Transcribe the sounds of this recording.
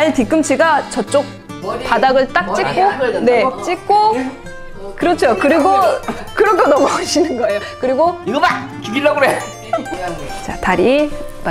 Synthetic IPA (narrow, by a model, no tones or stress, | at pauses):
aɭtik͈ɯmt͡ɕʰiɡat͡ɕʌt͡ɕ͈ok̚ | padaɡɯɭt͈ak̚t͡ɕ͈ik͈̚one̞t͡ɕ͈ik̚k͈o | kɯɾʌt͡ɕʰokɯɾiɡokɯɾʌkʰonʌmuaɕʰinɯnɡʌe̞jokɯɾiɡoiɡʌba | kubilːʌɡɯɾo | t͡ɕataɾim